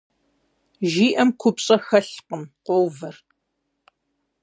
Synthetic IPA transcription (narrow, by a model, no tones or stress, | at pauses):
ʒiːʔɐmkʷʰʊpɕʼɐxɐɬqəmqʷowvɐr